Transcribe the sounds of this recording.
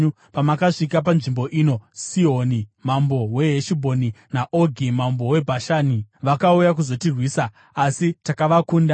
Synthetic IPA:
u | pamakaʂikap̬anʐimbo̞ʔiːno̞siɦonimambo̞we̞ɦeʃibʱo̞ninaʔo̞ɡʱimambo̞we̞bʱaʃaːniʋakaujak̬uzo̞tirwiːsaː | sitakaʋakuːnda

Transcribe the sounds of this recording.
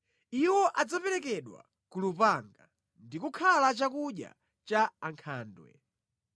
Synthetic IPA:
iwɔʔad͡zapɛɾɛkɛɗwa̰ | kulupaŋɡa | ndikukʰalat͡ʃakuɗja̰ | t͡ʃaːŋkʰaːndwɛ̰

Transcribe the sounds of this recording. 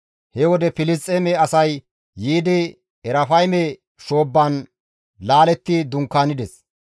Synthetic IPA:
hɛwɔd̪ɛfɪlɪs̬t̪ʼːemɛɐsɐjː | iːd̪ɪ | ɛɾɐfɐjmɛ | ʃo̞ːbːɐn | laːlɛt̪ːid̪ʊŋkːaːnɪd̪ɛs

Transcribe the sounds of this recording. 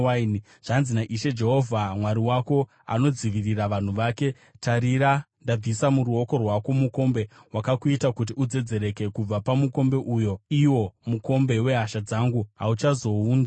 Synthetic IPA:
n | ʐ̥anzinaʔiʃe̞d͡ʒe̞ɦo̞vʱamwaɾiwako̞ | a̰no̞d͡ziʋiriraʋan̤uʋaːke̞ | taɾiɾa | ndab͡visamuɾuo̞ko̞rwako̞muko̞mbe̞ɦwakakuitakut̬iud͡ze̞d͡ze̞ɾe̞ke̞kub͡vapamuko̞mbe̞ʔujo̞iwo̞muko̞mbe̞we̞ɦaʃad͡zaŋɡuɦa̰ut͡ʃazo̞uːnd͡za

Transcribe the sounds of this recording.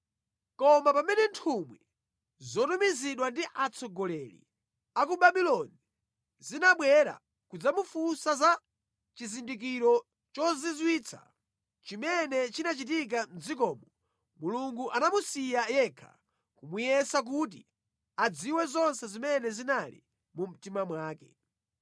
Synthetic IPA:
kɔmapamɛnɛntʰumwi | zɔtumiziɗwandiʔat͡sʰɔɡɔlɛlḭ | ak̬uɓaɓilɔni | zinaɓwɛɾa̰ | kud͡zamufusaza | t͡ʃizindik̬iɾɔ | t͡ʃɔzizwit͡sʰa̰ | t͡ʃimɛnɛt͡ʃinat͡ʃit̬ik̬an̩zik̬ɔːmɔ | muluŋɡuʔanamusijajɛkʰa̰ | kumujɛsak̬ut̬ḭ | ad͡ziwɛzɔnsɛzimɛnɛzinalḭ | mum̩timamwaːkɛ

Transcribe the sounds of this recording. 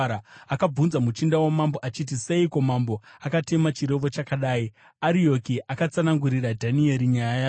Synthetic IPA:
aakab͡vunzamut͡ʃindawomamboʔat͡ʃit̬ise̞iko̞mambo̞akate̞mat͡ʃiɾe̞ʋo̞t͡ʃakaɗaːi | aɾio̞kiʔakat͡sanaŋɡuɾiɾadʱanie̞ɾiɲajaja

